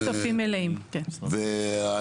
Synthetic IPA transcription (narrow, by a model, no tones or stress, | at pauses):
safimeleimkenvea